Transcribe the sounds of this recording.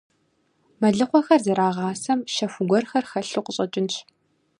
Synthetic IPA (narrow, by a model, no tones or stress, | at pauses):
mɐɮɨqʷɔxɐrzɐɾaːʁɑːsɐmʃɐfʷʊɡʷɔrxɐrxɐɬuqʷʼəɕʼɐt͡ʃʼɪnt͡ʃʰ